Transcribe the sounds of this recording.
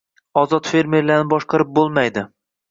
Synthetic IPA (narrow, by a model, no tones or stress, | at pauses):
ɒzɒt̪fe̞ɾme̞ɾlaɾnɪbɒʃqɑɾɪp̚bolˠmajd̪ɪ